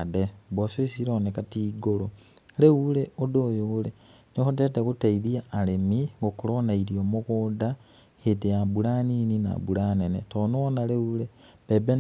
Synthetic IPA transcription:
debososiɾoːnekatiɡololeuleodojoule | nixutetekutaiðiaːlemiŋɡokulonaiɾiomukuda | hideabulaninina̰bulanenḛtonoonaleule | beben

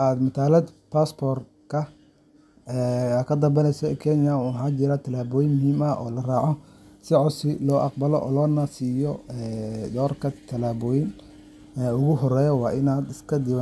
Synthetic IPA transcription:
ʔaːd̪mɐt̪ʰaːlɐd̪pʰaspʰɔːr | kʰɐ | ɛːkʰɐd̪ɐbɐnɛjsɔɛkʰɛnɪjaħaːd͡ʒɪɾat̪ʰɐlaːβɔːjɪnmʊɦiːmɐʔɔ̰ːlɐraːʕɔsɪʕʊsɪlɔːʔɑqbɐlɔ̰ʔɔ̰ːlɔːnasiːjɔɛd̪ɔːrkʰɐt̪ʰɐlaːβɔːjɪn | ɛːʊɣʊɦɔrɛːjɔwɑːʔɪnaːd̪ɪskʰɐd̪ɪwa

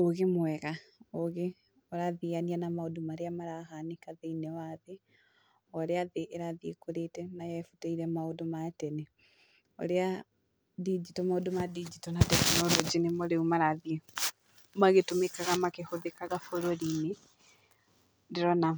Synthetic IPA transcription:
oɣemwɛɣaoɣe | ɔɾaðiɣanianamaodomaɾeamaɾahanekaðeinɛwaðe | ɔɾeaðeʔːɾaðiekoɾetɛnajɛfutaiɾɛmaodomaɛtɛne | o̰ɾea | did͡ʒitɔmaodomadid͡ʒitɔnadɛkanɔɾod͡ʒinemɔɾeumaɾaðie | maɣetomekaɣamakehoðekaɣafoɾoɾine | deɾɔna

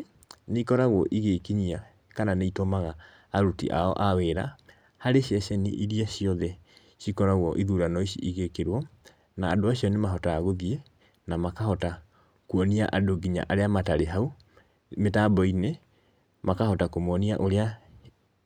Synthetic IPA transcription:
neikɔɾaɣwɔʔiɣekiɲia | kananeitomaɣaː | ɾutḭʔa̰ɔ̰ʔaweːɾa | haɾeɕjɛɕɛnḭʔiɾiaɕijɔðɛ | ɕikɔɾaɣwɔʔiðuɾanɔiɕiiɣekeɾwɔ | naːdoaɕiɔnemaɦɔtaːɣoɣie | namakahɔta | kuɔniaʔadoɡiɲa̰ʔaɾeamataɾeɦau | metabɔine | makahɔtakomɔniaʔoɾea

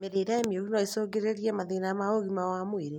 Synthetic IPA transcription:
meɾeɾaemjoɣinɔesoːɡeɾeɾiɛmaðenamaoɣimawamweɾe

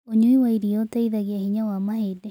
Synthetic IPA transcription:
oɲuiwaiɾiɔtɛiðaɣiahiɲawamahedɛ

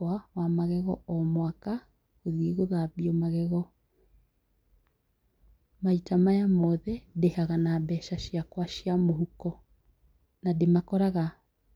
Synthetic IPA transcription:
wawamaɣɛɣɔɔmwaka | ɣoðieɣoðaβiɔmaɣɛɣɔ | maitamajamɔðɛdehaɣanabɛʃaʃjakwaʃiamoɦukɔ | nademakɔɾaɣa

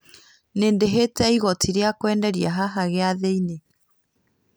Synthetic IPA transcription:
neːndeɦetɛiɣɔtʰiɾeakwɛːndɛɾiaɦaɦaɣeaðeine

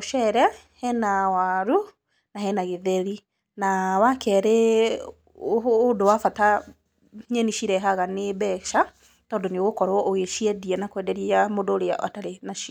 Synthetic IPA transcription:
oʃɛɾɛ | hɛnawaɾu | naɦɛnaɣeðɛɾi | nawakɛɾe | dowafata | ɲɛniʃiɾɛɦaɣanebɛʃa | tɔːndɔneoɣokɔɾwɔʔoɣeʃiɛdiɛnakwɛdɛɾiamodoːɾea̰ʔa̰taɾenaʃi

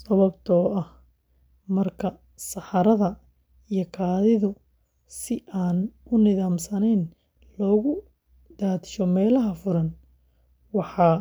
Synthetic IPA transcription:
sɐβɐbt̪ʰɔːɐh | mɐrkʰɐ | sɑħɑɾɐðɐ | ijɔkʰaːðɪðʊ | sɪʔaːnʊnɪðaːmsɐnɛːn | lɔːɣʊ | d̪aːt̪ɪ̥ʃɔmɛːlɐɦɐfʊɾɐn | wɑħɑː

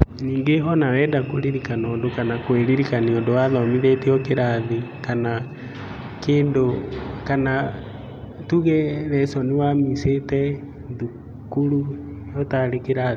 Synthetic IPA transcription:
niːŋɡeɦɔnawɛːdakwoɾiɾikanɔːndokanakweɾiɾikaniɔndowaðɔmiðɛteɔkeɾaðikana | keːndokana | tuɣɛɾɛsɔnewamisetɛ | ðu | kuɾu | jɔtaɾekeɾaði

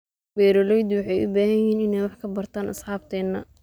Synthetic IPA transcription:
wɛːɾɔlɛjd̪wɑħɑjʔʊ̰baːhɐjɪhiːnɪnɛjwɑħkʰɐbɐrt̪ʰaːnʔɐ̰sħɑːb̚t̪ʰɛːnːɐ

